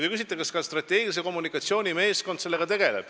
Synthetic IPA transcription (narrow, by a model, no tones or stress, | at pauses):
ekys̬ʲit̪ːˑekɑskɑst̪rɑt̪ːˑe̞ːɡ̥ilis̬eko̞munikːˑɑt̪sio̞ːnʲime̞ːsko̞nd̪se̞lːe̞ɡ̥ɑt̪e̞ɡ̥e̞le̞̰b̥